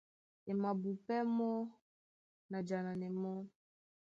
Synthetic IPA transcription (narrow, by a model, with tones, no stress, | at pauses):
ɛ˨ma˨bu˨pɛ˦mɔ˦ | na˨d͡ʒa˨na˨nɛ˨mɔ˦